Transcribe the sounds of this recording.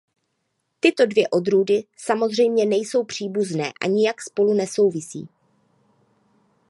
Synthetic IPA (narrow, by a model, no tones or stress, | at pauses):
t̪ɪt̪o̞dvjɛʔo̞d̪ɾuːdɪsamo̞zr̝ɛjmɲɛnɛjso̞wpr̝̥iːbuznɛːʔa̰ɲɪjakspo̞lunɛso̞wvɪsḭː